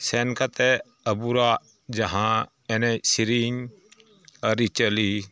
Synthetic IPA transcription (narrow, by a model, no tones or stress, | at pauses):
sɛnkʰat̪ɛ | əbuɾa | d͡ʒaɦã | ɛnɛsiɾiɲ | əɾit͡ʃəli